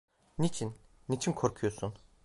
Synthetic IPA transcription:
nit͡ʃʰinː | it͡ʃʰinkʰoɾkʰujosun

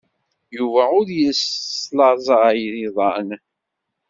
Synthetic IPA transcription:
juvæʊɾjəslɑɾˤzˤɑjɾiðˤɑn

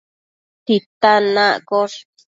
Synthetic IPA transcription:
t̪it̪anãkoʂ

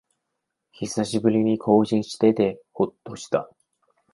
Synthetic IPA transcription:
çisaɕibɯ̟ɾʲiɲ̟ikʰo̞ːʑĩɰ̃ɕi̥t̪e̞t̪e̞ho̞t̪ːo̞ɕi̥t̪a̰

